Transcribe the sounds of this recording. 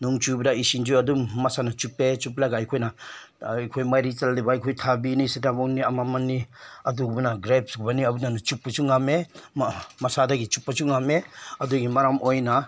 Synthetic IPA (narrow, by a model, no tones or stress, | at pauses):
nuŋt͡ʃubdaisind͡ʒuadumːasanat͡ʃupet͡ʃup̬laɡajkʰojna | kʰojmaɾit͡ʃaldibajkʰojtʰabinisidamawniɐmamanːiɐdubunaɡɾep̚sɡubaniɐbunanat͡ʃupːat͡ʃuŋame | masadaɡit͡ʃupːat͡ʃuŋameɐduɡimaɾamʔojna